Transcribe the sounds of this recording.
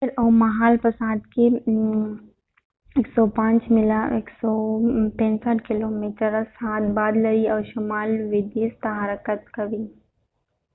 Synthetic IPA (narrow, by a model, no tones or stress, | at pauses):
ɪɾɔːmɐɦaːlpɐsaːd̪ke | eːksɔpãːt͡ʃmɪlaeːksɔːt̪ɛ̃ːnsaːʈkɪloːmiːʈəɾasaːt̪baːd̪ləɾiɔːɾʃʊmaːlʋɪd̪ist̪ɐɦaːɾəkət̪̚kɐʋiː